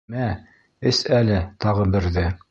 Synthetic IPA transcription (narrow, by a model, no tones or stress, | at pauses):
æ | ɘsælɘt̪ɑʁɤbɘ̆ɾðɘ